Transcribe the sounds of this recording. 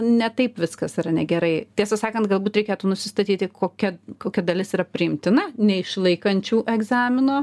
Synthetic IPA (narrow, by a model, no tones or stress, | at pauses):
nʲɛt̪ɐɪpʋʲɪskɐsɪɾɐnʲɛɡʲɛɾɐɪt̪ʲiɛsɐsɑːkɐnt̪ɡɐlˠbuːt̪ɾʲɛɪkʲeːt̪uːnʊsʲɪst̪ɐt̪ʲiːt̪ʲɪkoːkʲɛkoːkʲɛd̪ɐlʲɪsiːɾɐpʲɾʲɪɪmʲt̪ʲɪnɐnʲɛɪʃlˠɐɪkɐnʲt͡ʃʲuːʔɛɡzɑːmʲɪnoː